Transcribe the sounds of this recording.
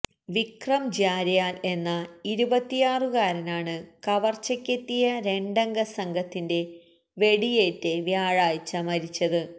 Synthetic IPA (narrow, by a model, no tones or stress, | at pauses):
ʋikrɐmd͡ʑaːɾjaːle̞nːɐiɾubɐt̪ːijaːrɨɣaːɾɐnaːɳɨkɐʋɐrt͡ɕːɐkʲːet̪ːijɐɾe̞ɳɖɐŋɡɐsɐŋɡʱɐt̪ːinde̞ | ʋe̞ɽije̞ːtːeʋjaːɻaːjt͡ɕːɐmɐɾit͡ɕːɐðɨ